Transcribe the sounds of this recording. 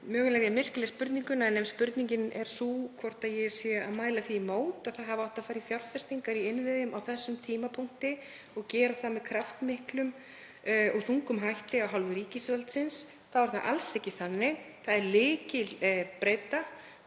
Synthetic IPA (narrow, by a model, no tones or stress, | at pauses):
mœːɣʏlɛɾjamɪl̥klɛspʏɾt̪niŋkʏnaɛnːɛmspʏɾt̪niŋcɪnɛ̰ɾ̥sukʰvɔr̥t̪aðjɛsjɛa̰ðmaːjlaθiːmoːwt̪aðθaðɦavaawht̪afaːɾifjarfɛst̪iŋkaɾiɪnvɪðʏmawθɛsːʏmt̪ʰiːmapʰuŋ̥t̪ɪ | ɔɣcɛːɾaθaðmɛðkʰɾaft̪mɪhklʏm | ɔɣθuŋkʏmɦajht̪ɪawɦalvʏɾiːcɪsvɛlt̪sɪns | θavaɾ̥θaðʔa̰lsɛhcɪθanːɪɣ | θaðɛɾlɪːcɪlpɾeːjt̪a